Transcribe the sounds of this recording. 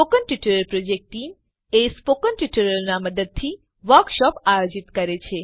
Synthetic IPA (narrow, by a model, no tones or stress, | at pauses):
pokənʈiʈəɾəlpɾod͡ʒek̚ʈʈim | espokənʈiʈəɾəlnaməd̪əd̪̚t̪ʰi | ʋəɾkʃɔpajod͡ʒit̪kəɾet͡ʃʰe